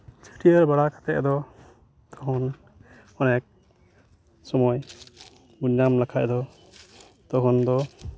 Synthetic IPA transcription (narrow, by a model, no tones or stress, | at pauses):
t͡ʃʰi̥ʈiaɾbaɽakḁt̪ɛɛ̰d̪ɔ | t̪ɔɦɔn | ɔnɛk̚ | sɔmɔj | buɲːamlakʰaʔɛd̪ɔ | t̪ɔɦɔnd̪ɔ